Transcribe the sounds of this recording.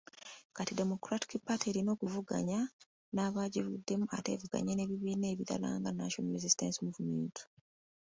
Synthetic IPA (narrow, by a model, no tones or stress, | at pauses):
katide̞mo̞kɾati̥kipateɾino̞ːkuvuɡa̰ɲa | naːβaːɟivudːe̞mua̰te̞ːvuɡa̰ɲene̞βiβiːne̞ːβiɾa̰la̰ːŋɡana̰ʃomɾezistḛnsimuvumeiːntu̥